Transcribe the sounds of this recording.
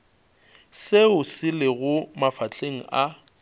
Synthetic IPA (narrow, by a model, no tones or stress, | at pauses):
seʊsɪlɪɣʊmafat͡ɬʰeŋ̩ʔa